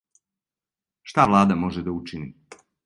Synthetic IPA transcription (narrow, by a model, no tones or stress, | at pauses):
ʃt̪aʋlˠaːd̪amo̞ʒed̪aut͡ʃini